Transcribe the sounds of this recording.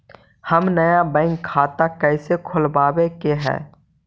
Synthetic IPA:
həmnəjabɛ̃ːɪŋkʰːaːt̪akɛːsekʰʊlbaːbekeɦɛ̰ː

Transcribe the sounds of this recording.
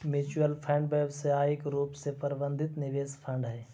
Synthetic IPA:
muːt͡ʃuəlpʰɛ̃ːɳɖbeːbseaːɪkɾuːpsepəɾbə̃nd̪ʱɪt̪nɪʋeːspʰə̃ɳɖɦɛː

